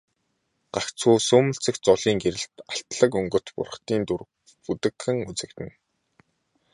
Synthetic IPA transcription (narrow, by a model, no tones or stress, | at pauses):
ɢ̥axt͡sʰuːsʊmɘ̆ɬt͡sɘ̆kt͡sɔɮiːŋɡeɾɘ̆ɬt̪aɬt̪ɮə̆kɵŋɡɵ̆t̪pʊ̰rχt̪iːnt̪ur | put̪ɘ̆kxɘ̆ŋut͡sɘ̆k̚t̪ɘ̆n